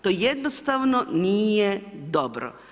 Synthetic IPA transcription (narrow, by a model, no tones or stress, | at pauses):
t̪oːjed̪nost̪aʋnoniːjed̪obɾo̰